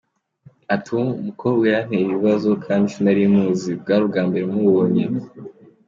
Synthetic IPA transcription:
atʰumukʰowiɾan̥eiβiβazo̞kʰaːndit͡ʃunaɾimuːzib̚ɡaːɾubɡaːmbe̞ɾemuβoːɲe

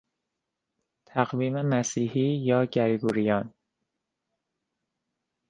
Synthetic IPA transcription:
t̪ʰæɣviːmemæsiːhiːjɒːɟæɾɡuːɾijɒːn

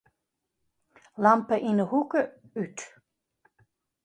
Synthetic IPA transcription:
lampʰəʔinəhukə | yt̪ʰ

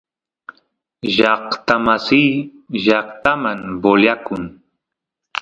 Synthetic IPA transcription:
ʒɑχt̪amasiː | ʒɑqt̪amaŋboʎakʊŋ

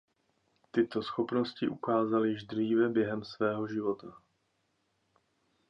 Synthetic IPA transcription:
t̪ɪt̪o̞sxo̞pno̞scɪʔukaːzalɪjɪʃd̪r̝iːvɛbjɛɦɛmsvɛːɦo̞ʒɪvo̞t̪a

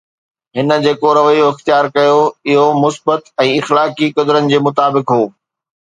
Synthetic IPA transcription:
ɦɪnə̆d͡ʑeːkoɾɐʋəioɪxt̪ijaːɾkɐjoɪɦomʊsbət̪ɛ̃ːɪxlaːkikɐd̪ɾənɪ̆d͡ʑeːmʊt̪aːbɪkɦoː

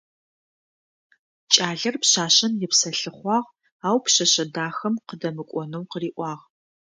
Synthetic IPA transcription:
t͡ʃʼaːɮɐrpɕaːɕɐnjɪpsɐɬɨχʷɑːʁ | aːwpɕɐɕɐdaːxɐmqədɐmɨkʷʼɔnɨwqəriːʔʷɑːʁ

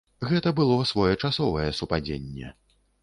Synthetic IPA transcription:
ɣɛt̪ɐbɨlˠɔsvɔjɛt͡ʂasɔvɐjɛsupad͡zʲḛnʲːɛ̰

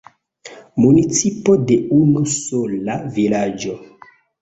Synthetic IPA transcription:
munit͡sipode̞unusolavilad͡ʒo̞

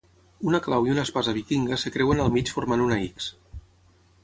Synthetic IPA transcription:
unəklawiunəspazəβikiŋɡəsəkɾɛwənəlˠmit͡ʃfuɾmanunaiks

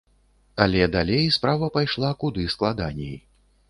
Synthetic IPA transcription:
ɐlʲɛd̪alʲejspɾavɐpajʂlˠakud̪ɨsklˠad̪anʲɛji

